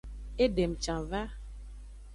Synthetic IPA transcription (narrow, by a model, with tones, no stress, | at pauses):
e˦ɖe˨m̩˨t͡ʃã˨va˦